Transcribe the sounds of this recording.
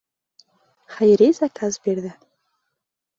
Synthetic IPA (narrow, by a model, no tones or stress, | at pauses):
χajɾezakʰazbeɾd̪ɘ